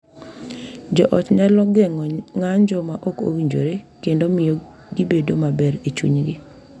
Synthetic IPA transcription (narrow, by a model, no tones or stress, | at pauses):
d͡ʒɔʔɔt͡ʃɲalɔɡɛɔŋaɲd͡ʒɔmaʔoko̰wiɲd͡ʒo̰ɾekendomɪjo | ɡibedomabɛɾet͡ʃṵɲɡi